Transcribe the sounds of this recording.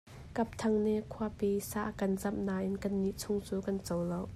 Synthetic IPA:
kɐp̚t̪ʰɐŋnɛʔkʰuɐpisaʔkɐnzɐm̚naːʔɪnkɐnːiʔt͡sʰʊŋt͡suːkɐnt͡sowlow

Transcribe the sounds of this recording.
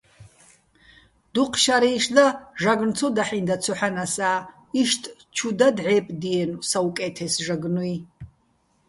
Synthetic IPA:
d̪̥uqʰʃaɾiːʂd̪aʒaɡnt͡sʰɔd̪aħind̪at͡sʰɔħanasaː | iʃtʼ | t͡ʃʰud̪ad̪ʕɛpʼd̪ijɛnusawkʼɛt̪ʰɛsʒaɡnui

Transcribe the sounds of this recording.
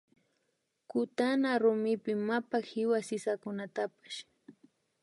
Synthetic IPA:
kʊt̪anaɾʊmɪpɪmapahɪwasɪsakʊnat̪apḁʃ

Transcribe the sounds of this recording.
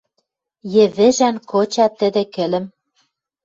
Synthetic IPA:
jɘ̆βɘ̆ʒænkʰot͡ɕɑt̪ːɘ̆d̪ĕkɘ̆lɘ̆m

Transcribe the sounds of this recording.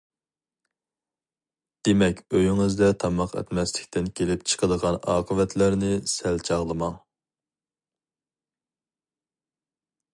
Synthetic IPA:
d̪̥emɛkʲøjyŋɨzd̪ɛt̪ʰɑmɑqɛ̰t̪mɛslɪkʲt̪ɪnkʲʰelɪp̚t͡ʃʰə̥qʰəd̪əʁɑnɑ̰ːqʰəvɛt̪ʰlæɾnɪsælt͡ʃʰɑʁlˠɨmɑŋ

